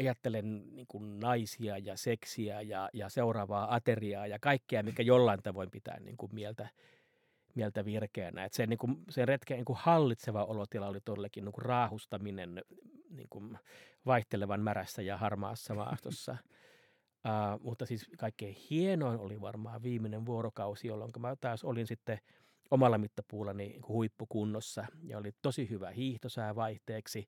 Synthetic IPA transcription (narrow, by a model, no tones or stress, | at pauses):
ɑjɑt̪ːelenniːŋkunnɑisiɑjɑseksiæjɑjɑseurɑʋɑːɑt̪eriɑːjɑkɑikːeɑmikːæjolːɑint̪ɑʋoimpit̪æ̰ːnnḭːŋkummielt̪æ | mielt̪æʋirkeːnæ̰et̪senniŋkumsenret̪keniŋkuhɑlːit̪seʋɑolot̪ilɑolit̪oelːekːinniːŋkurrɑːhust̪ɑminennḭːŋkunʋɑiht̪eleʋɑnmæræsːæjɑhɑrmɑ̰ːsːɑmɑ̰ːst̪osːɑ̰ | ɑːmut̪ːɑsiːskɑikːeihienoinoliʋɑ̰rmɑːʋʋiːmːineʋʋuoɾokɑusijolːo̰ŋkɑmæt̪ɑːsolinsit̪ːe | omɑlːɑmit̪ːɑpuːlːɑniniːŋkuhuipːukunːosːɑjɑ̰olit̪osihyʋæ̰hiːht̪osɑiʋɑiht̪eːksi